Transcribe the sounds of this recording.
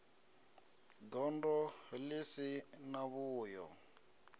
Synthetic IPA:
ɡɔndɔlesɪnaβʊːjɔ̰

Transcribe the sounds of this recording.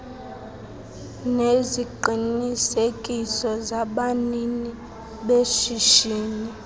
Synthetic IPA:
neziǃinisekʼisɔzaɓanini | ɓeʃiʃiːni

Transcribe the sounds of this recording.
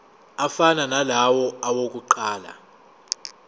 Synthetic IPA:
afananalawɔawok̬ʼuǃaːla̰

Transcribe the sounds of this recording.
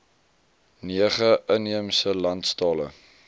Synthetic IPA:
niəχəʔəniəmsəlɐntstɑːlə̰

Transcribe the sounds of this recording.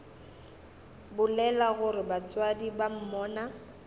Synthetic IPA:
bʊlɛlaɣʊɾɪbat͡sʼwadibam̩mɔːna

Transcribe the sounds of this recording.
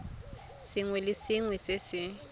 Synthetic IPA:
sɪŋwɛlɪsɪŋwɛsɪsɪ

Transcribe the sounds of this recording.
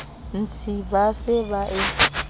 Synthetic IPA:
n̩t͡sʰibasɪβaʔɪ

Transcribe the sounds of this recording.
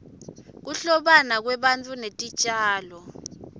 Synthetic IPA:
k̬uɬɔɓanak̬wɛɓant͡fʼunetʼit͡ʃʼaːlɔ

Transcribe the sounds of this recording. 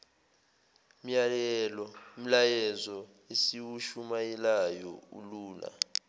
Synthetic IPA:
m̩jalɛlɔm̩lajɛzɔ | esiwuʃumajɛlajɔṵluːla̰

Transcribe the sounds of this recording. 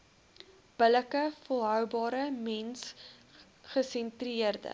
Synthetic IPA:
b̥ələkəfɔlˠɦœwbɑːɾəmɛns | χəsɛntriərdə̰

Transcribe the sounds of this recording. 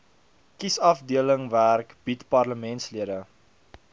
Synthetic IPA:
kisɐfdiələŋværkb̥itpɐrləmɛntsliədə

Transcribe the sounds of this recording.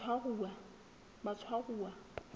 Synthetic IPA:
aɣua | mat͡sʰwaɣuːa

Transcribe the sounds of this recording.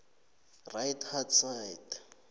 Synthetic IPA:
rajthatsajt

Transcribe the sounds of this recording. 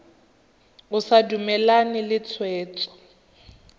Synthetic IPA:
ʊsadumɛlanɪlɪt͡sʰwɛːt͡sʼɔ̥

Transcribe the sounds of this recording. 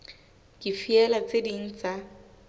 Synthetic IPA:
kʼifiɛlat͡sʼedin̩t͡sʼa

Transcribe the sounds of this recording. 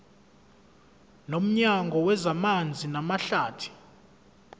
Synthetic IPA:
nom̩ɲaŋɡʱɔwɛzamand͡zʱinamaɬaːtʰi̥

